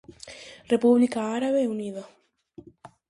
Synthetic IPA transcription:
repuβlikaaɾaβeuniða

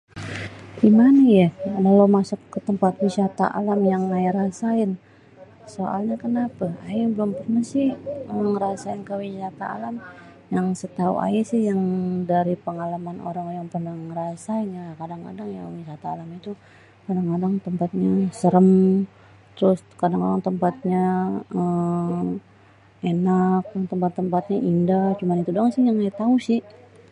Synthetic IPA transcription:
imanijalalomasʊkːət̪əmpat̪̚wisat̪a̰ʔa̰lamjaŋajiɾasaɪn | soʔa̰lɲakənapaaibəlʊmpərnahsɪhŋɾasaɪnkəwisat̪aa̰lamjaŋsət̪aṵʔa̰isɪhjaŋdaɾipəŋalamanʔo̰ɾaŋjaŋpərnaŋɾasaiɲakadaŋka̰daŋja̰wisat̪aːlamit̪u | pədaŋkadaŋt̪əmpat̪̚ɲasəɾəm | t̪əɾʊs | kadaŋkadaŋt̪əmpat̪̚ɲaə | enakaŋt̪əmpat̪ːəmpat̪̚ɲaʔindaht͡ʃumanit̪udaŋsɪjaŋajat̪ausɪh

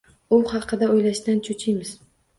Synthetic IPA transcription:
ʊhɑqʰɨd̪aojlaʃd̪ant͡ʃʰʊt͡ʃʰɪjmɪz̥

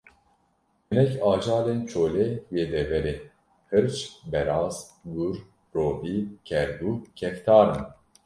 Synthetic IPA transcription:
bɨnɛkɑːd͡ʒɑːleːnt͡ʃʰoːlɛweːd̪ɛvɛɾe | hɨɾt͡ʃbɛɾɑːz̥ɡuɾ | roːviːkʲʰɛɾd̪uːkʰɛft̪ʰɑːɾɨn

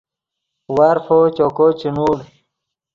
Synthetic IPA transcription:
waɾfot͡ɕokot͡ɕinuːɽ

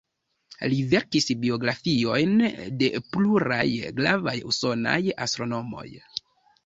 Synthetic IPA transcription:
live̞ɾkisbio̞ɡɾafio̞jnde̞pluɾajɡlavajuso̞na̰jastɾo̞no̞mo̞̰j

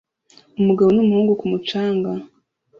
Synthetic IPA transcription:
umuɡaβonumuhuːŋɡukumut͡ʃaːŋɡa

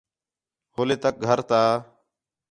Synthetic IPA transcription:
hoːleːt̪ək̚ɡʱəɾt̪aː

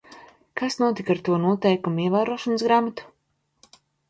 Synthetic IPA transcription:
kasnuɔt̪ikaɾt̪uɔnuɔt̪ɛjkumuiɛvaːɾuɔʃɔnəsɡɾaːmat̪u̥

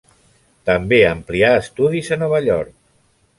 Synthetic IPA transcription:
t̪əmbeəmpliaəst̪uðizənɔβ̞əʎɔɾk̚

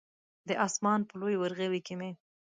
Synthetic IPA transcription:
d̪əʔɑsmɑnpəlojwaɾɣewikeme

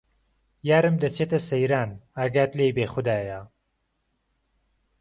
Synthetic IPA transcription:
jaːɾɨmd̪ɐt͡sʰeːt̪ɐsɐjɾaːnaɡaːt̪lejbeːxʊd̪aːja

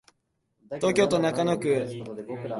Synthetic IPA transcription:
t̪oːkʲo̞ːt̪onakanokɯ̟

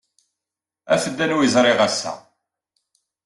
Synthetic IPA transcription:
æ̰fəd̪ːænuwjizɾˤɪʁæsːæ̰

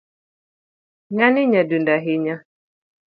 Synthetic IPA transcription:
ŋaniɲadundaɦiɲa

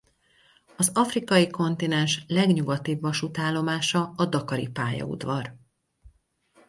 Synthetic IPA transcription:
ɒzɒfrikɒjiko̞nt̪inɛnʃlɛɡɲuɡɒt̪iːbːɒʃut̪aːlːo̞maːʃɒːd̪ɒkɒɾḭpaːjɒ̰ṵd̪ʋɒr

